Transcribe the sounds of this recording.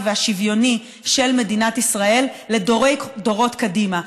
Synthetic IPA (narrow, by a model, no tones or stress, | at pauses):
veaʃivjo̞ni | ʃe̞lme̞dinatisʁae̞lːe̞doʁejdo̞ʁo̞tkadima